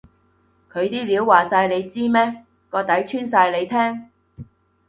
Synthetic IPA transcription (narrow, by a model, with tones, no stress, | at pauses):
kʰɵ˨˧ɥt̪iː˥liː˨˧˥wːaː˨saː˧jle˨˧jt͡siː˥mɛː˥ | kɔː˨˧t̪ɐ˨˥jt͡ʃʰyː˥nsaː˧jle˨˧jt̪ʰɛː˥ŋ